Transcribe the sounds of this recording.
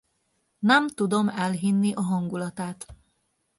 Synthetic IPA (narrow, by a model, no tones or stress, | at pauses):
nɛmt̪ud̪o̞mɛlɦinːiʔɒɦɒŋɡulɒt̪aːt̪